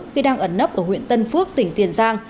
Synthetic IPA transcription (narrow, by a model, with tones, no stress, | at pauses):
xi˧ɗaː˧ŋʔə˧˩nːə˦˥p̚ʔəː˧˩hwḭ˧˨ənt̪ə˧nfɨ˦˥ək̚t̪ï˧˩ŋ̟t̪i˨˩ənzaː˧ŋ